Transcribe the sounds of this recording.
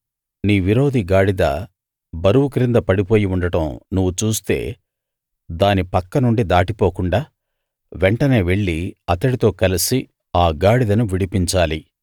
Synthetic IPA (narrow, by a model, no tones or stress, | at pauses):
niːʋiɾo̞ːd̪iɡaːɽid̪ɐ̰ | bɐɾuwukɾind̪ɐpɐɽipo̞ːjiuɳɖɐʈɐmnuʋːut͡ʃuːst̪e̞̰ː | d̪aːnipɐkːɐnuɳɖid̪aːʈipo̞ːkuɳɖaː | ʋɛɳʈɐne̞ːʋe̞ɭːiɐt̪ɐɽit̪o̞ːkɐlisi | aːɡaːɽid̪ɐnuʋiɽipiɲt͡ʃaːli